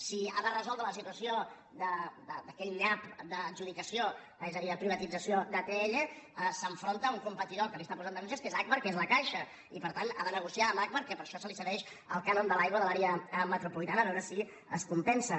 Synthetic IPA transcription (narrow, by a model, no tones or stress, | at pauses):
sia̰ðərəzɔlˠd̪ɾələsit̪uəsio | d̪əd̪əd̪əkɛʎɲapd̪əːd͡ʒuð̞ikəsio | ezəðiðəpɾiβət̪id͡zəsiod̪ət̪eeʎəsəɱfɾont̪əuŋkumpət̪iðolk̪əmbest̪apuzand̪əɣunʃəskezak̚məɾkezləkaʃə | ipəɾt̪ana̰ðənəɣ̞usiaəmak̚məɾkɛpəɾʃɔsəlisəβɛʃ | əlˠkanond̪əlajɣwəðəlaɾeəmət̪ɾupulit̪anəβɛwɾəsi | əskumpɛnsə